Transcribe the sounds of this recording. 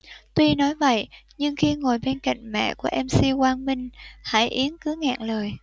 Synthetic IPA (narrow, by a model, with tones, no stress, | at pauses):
t̪wi˧nɔ˨˦jvə̰˧˨jʔɲɨ˧ŋxi˧ŋo˨˩jɓe˧nka̰˧˨jŋ̟mɛ̰˧˨ku˧˩əʔɛ˧msi˧kwaː˧nmï˧ŋ̟ha̰ː˧˥˩jʔi˨˦ənkɨ˨˦ŋa̰ː˧˨ŋləː˨˩j